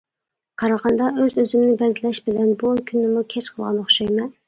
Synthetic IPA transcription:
qʰɑɾɑʁɑnd̪ɑøzøzymnɪbɛzɪlɛʃbɪlɛnbukʲʰynːɪmukʲʰɛt͡ʃqʰəlˠʁɑ̰nˠːəχʃøjmɛ

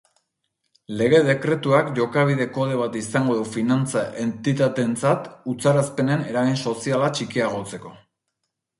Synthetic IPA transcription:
le̞ɣ̞e̞ðe̞kɾe̞t̪uakʝo̞kaβ̞iðe̞ko̞ðe̞β̞at̪isaŋɡo̞ðufinant͡saʔe̞nt̪it̪at̪e̞nt͡sat̪ut͡saɾaspe̞ne̞ne̞ɾaɣinso̞sialat͡ʃikiaɣ̞o̞t͡se̞ko̞

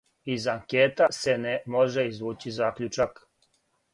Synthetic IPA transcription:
izaŋkeːt̪asenemoʒeizʋuːt͡ɕizaːkʎʲut͡ʃak

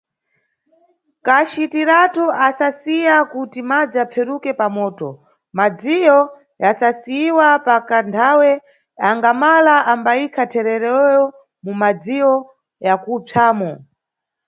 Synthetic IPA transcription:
kat͡ʃitiɾatuʔasasijakutimad͡ziapp͡fʰɛɾukɛpamɔːtɔ̰ | mad͡zijɔ | jasasiiwapakantʰawɛ | aŋɡamalaambaikʰatʰɛɾɛɾɔjɔ | mumad͡zijɔ | jakupʰaːmɔ

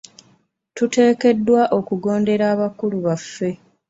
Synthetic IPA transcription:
tute̞ːke̞dːwaʔo̞kuɡo̞ːnde̞ɾaːβakuluβafːe̞

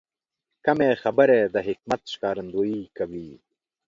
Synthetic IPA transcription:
kɐmexɐbəɾed̪əɦɪk̚mɐt̪ʃɪ̥kɑːɾɐnd̪oːikawiː

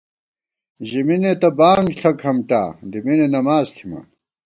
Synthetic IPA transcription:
ʑiminet̪ɐbaːŋɡɬʰɐkhɐmʈa̰ːd̪iminenɐmaːzt̪ʰima̰

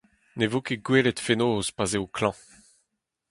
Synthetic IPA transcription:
nevokeɡweːletfenoːzpazeokʰlɑ̃

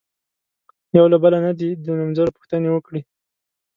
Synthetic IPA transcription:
jawlabəlanad̪id̪ənamzaɾopʊ̥xt̪ənewəkɽi

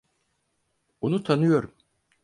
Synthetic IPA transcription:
onut̪ʰanɯjo̞ɾum

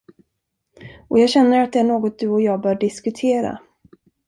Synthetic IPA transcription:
ʔɔjɑːɡɕɛnːəɾat̪̚d̪ɛæɳoːɡɔt̪̚d̪ɵɔjɑːɡbœːɖɪskɵt̪ʰeːɾa̰

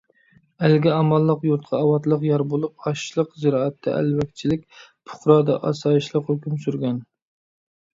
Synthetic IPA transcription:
ælɡʲɛɑmɑlˠːəqjuɾt̪̚qʰɑːwɑt̪lˠəqjɑɾbolˠup̚ɑʃʃlˠəqzɨɾɑːɛt̪ʰːɛ̰ʔæ̰lwɛkʲt͡ʃʰilɪk̚ʲpʰʊ̥χɾɑːd̪ɑ̰ʔɑ̰sɑːjiʃlˠəqhøkʲymsyɾɡʲɛn

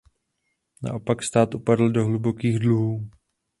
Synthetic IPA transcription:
na̰ʔo̞pakst̪aːt̪ʔupadl̩doɦlubo̞kiːɣdluɦuː

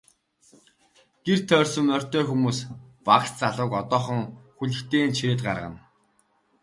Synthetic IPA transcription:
ɡ̥ert̪ʰœːrsɵ̆mmœr̥ʲt̪œːxumuːspaqst͡saɮʊːkɔt̪ɔːχɞ̆ŋxuɮɘ̆xt̪eːnt͡ɕʰiɾeːt̪̚ɢarʁə̰̆n

